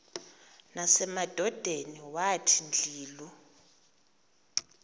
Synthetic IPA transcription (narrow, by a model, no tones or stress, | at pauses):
nasɛmad̥ʱɔd̥ʱeniwatʰind͡ɮʱiːlu